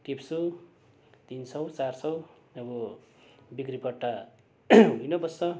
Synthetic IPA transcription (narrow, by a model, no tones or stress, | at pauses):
ʈipsu | t̪insʌwt͡sarsʌw | ʌbʌ | bikripʌʈːa | ɦujnʌbʌst͡sʌ